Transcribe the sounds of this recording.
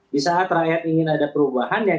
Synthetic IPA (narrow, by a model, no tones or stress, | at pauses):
disaːt̪rajat̪iŋɪnadapəɾubahanda